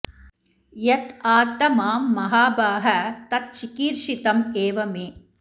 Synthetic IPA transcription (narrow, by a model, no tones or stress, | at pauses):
jɐt̪aːt̪ɐmaːmːɐɦaːbaːɦɐt̪ɐt̪̚t͡ʃikiːɾʃit̪ɐmeːʋɐmeː